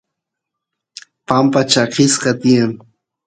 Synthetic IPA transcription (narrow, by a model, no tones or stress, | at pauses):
pampat͡ʃakʰɪsqɑt̪ɪjaŋ